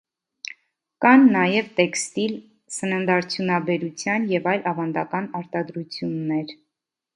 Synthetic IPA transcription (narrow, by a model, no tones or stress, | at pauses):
kɑnːɑjɛvt̪ɛkst̪il | sənənd̪ɑɾt͡sʰjunɑbɛɾut͡sʰjɑnjɛvɑjlɑvɑnd̪ɑkɑnɑɾt̪ɑd̪ɾut͡sʰjunːɛɾ